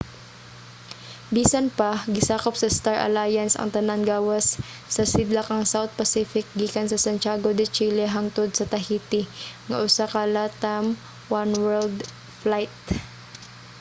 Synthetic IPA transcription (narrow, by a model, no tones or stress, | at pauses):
biːsɐnpɐɡɪsaːkop̚sɐst̪aɹʔɐ̰lajɐnsɐ̰ŋt̪ɐnaŋɡaːwɐsː | ɐsɪd̪lɐkɐŋsawt̪̚pɐsiːfɪk̚ɡiːkɐnsɐsɐnt͡ʃaːɡod̪ɪt͡ʃiːlɛɦaŋt̪od̪̚sɐt̪ɐɦiːt̪ɪŋɐ̰ʔʊsakalat̪ɐm | wanwɛld̪ | flajt̪̚